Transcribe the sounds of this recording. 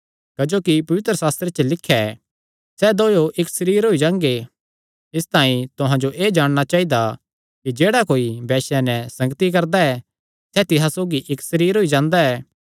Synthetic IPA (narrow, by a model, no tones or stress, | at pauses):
kɐd͡ʒoːkipɐʋɪt̪ɾəsaːst̪ɾet͡ʃəlɪkʰːjɛ | sɛd̪oːjoʔɪksɐɾiːɾɦoid͡ʒãːŋɡe | ɪst̪aːĩt̪ʊɦãd͡ʒoʔeːd͡ʒaːɽ̃ñat͡ʃaːɦid̪a | kid͡ʒeːɽakoːibɛːʃɛnɛsɐ̃ŋɡət̪ik̬ɐɾd̪aɛ | sɛt̪ɪɦãsoːɡiʔɪksɐɾiːɾɦoid͡ʒãːnd̪aɛː